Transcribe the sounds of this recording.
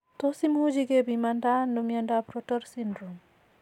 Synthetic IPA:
t̪osimhud͡ʒiɡebimandanumjandapɾɔtɔɾsindɾum

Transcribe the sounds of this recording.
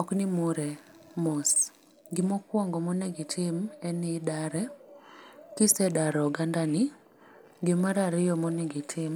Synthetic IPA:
ɔknɪmuɾɛmɔs | ɡɪmɔkwɔŋɡɔmɔnɛɡɪtʰɪmɛnɪdaɾɛ | kɪsɛdaɾɔɡandanɪ | ɡɪmaɾaɾɪjɔmɔnɛɡɪtʰɪm

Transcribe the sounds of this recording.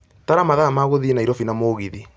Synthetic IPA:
taɾamaðamaɣoðienaiɾɔfinamoɣiði

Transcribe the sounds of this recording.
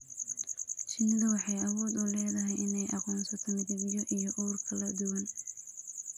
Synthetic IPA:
ʃɪnd̪ɐwɑħɑjɑwɔːd̪ʊlɛːðɐɦɛjʔɪnɛjʔɑqɔːnsɐt̪ʰɔːnɡɪbɪjɔʔijɔʔuːrkʰɐlɐd̪ʊwɐn

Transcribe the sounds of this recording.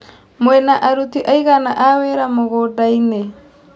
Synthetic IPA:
mwɛnaʔaɾutiʔaiɣanaʔawɛɾamoɣodaine

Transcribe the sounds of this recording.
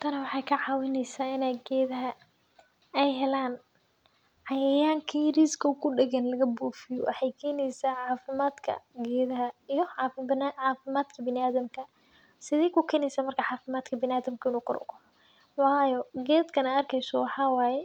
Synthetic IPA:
t̪ʰɐnɐwɑħɑjkʰɐʕɑːwɪnɛjsaːɪnɛjɡɛːðɐɦɐ | ɛjɦɛlaːn | ʕɑjɛjaːŋkʰiɾiskʰɐkʰʊɖɛɣɐnlɐɣɐbuːfɪjɔ̰wʔɑ̰ħɑjkʰɛːnɛjsaʕɑːfɪmaːd̪kʰɐ̰ɡɛːðɐɦɐijɔʕɑːɪnaʕaːfɪmaːd̪kʰɐbɪnɪaːðɐmkʰɐ | sɪðɛjkʰʊkʰɛːnɛjsɐmɐrkʰɐʕɑːfɪmaːd̪kʰɐbɪnaːðɐmkʰɐɪnuːqʊ̰r̰ɡɔ | wɑːjɔɡɛːd̪kʰɐnɛɐrkʰɛjsɔwɑħɑːwɑːjɛ

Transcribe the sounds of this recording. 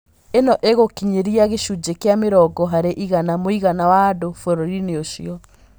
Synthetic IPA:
enɔʔeɣokiɲeɾiaɣeʃud͡ʑekeameɾɔɡɔɦaɾeʔiɣanamoiɣanawadofoɾoɾineoɕiɔ

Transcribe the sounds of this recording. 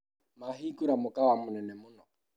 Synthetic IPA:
maɦikuɾamʊkawamʊnɛnɛmʊnɔ

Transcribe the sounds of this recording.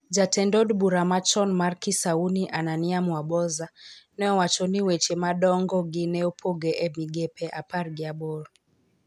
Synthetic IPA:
d͡ʒatɛndɔdɓuɾamat͡ʃɔnmaɾkisauniʔananiamwaɓɔzanɛɔwat͡ʃɔniwɛt͡ʃɛmaɗɔŋɡɔɡinɛɔpʰɔɡɛʔɛmiɡɛpɛʔapaɾɡiaɓɔɾ

